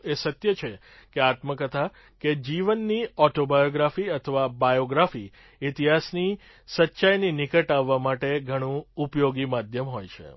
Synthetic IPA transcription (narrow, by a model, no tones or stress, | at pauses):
esət̪jət͡ʃʰe | keat̪məkət̪ʰa | ked͡ʒiʋənːiɔʈobajoɡɾafiət̪ʰəʋabajoɡɾafi | it̪iɦasni | sətːʃajninɪkəʈaʋːamaʈeɡʱəɽ̃ũupjoɡimad̪ʱjəmɦojt͡ʃʰḛ